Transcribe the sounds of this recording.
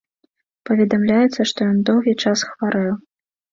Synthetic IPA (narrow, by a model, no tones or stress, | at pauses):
pɐvʲɛd̪amlʲajɛt̪sːɐʂt̪ɔjɔnd̪ɔwɣʲit͡ʂasxvaɾɛw